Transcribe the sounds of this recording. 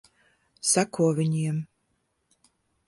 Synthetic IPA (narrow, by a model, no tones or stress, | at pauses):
sakuɔvʲiɲʲiɛm